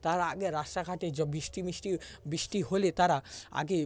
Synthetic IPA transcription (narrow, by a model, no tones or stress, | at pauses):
t̪aɾaaɡeɾasʈakʰaʈed͡ʒɔbisʈimisʈibisʈiɦolet̪aɾaa̰ɡe